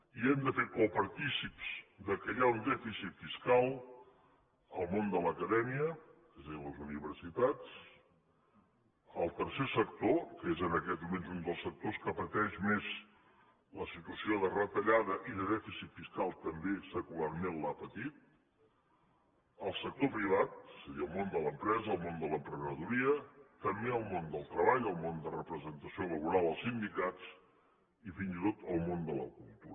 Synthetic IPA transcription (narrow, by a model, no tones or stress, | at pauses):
iɛmd̪əfekɔlˠpəɾt̪isipz̥d̪əkəjaund̪ɛfisit̪fiskalˠ | əlˠmond̪ələkəðɛmiək̪əzeləzuniβ̞əɾsit̪at͡s | əlˠt̪əɾsesək̚t̪okəezənəkɛt̪mumenzund̪əlˠsək̚t̪oskəpət̪ɛʃmez | ləsit̪uəsioðərət̪əʎaðəʔiðəðɛfisit̪fiskalˠt̪əmbesəkularmenlapət̪it̪̚ | əlˠsək̚t̪opɾiβ̞at̪̚səðiəlˠmond̪ələmpɾɛzəːlˠmond̪ələmpɾəɣəðuɾiət̪əmbeəlˠmond̪əlˠt̪ɾəβaʎəlˠmond̪ərəpɾəzənt̪əsioləβuɾalˠd̪əlˠsind̪ikat͡s | ifinzit̪ot̪əlˠmond̪ələ̰kulˠt̪uɾə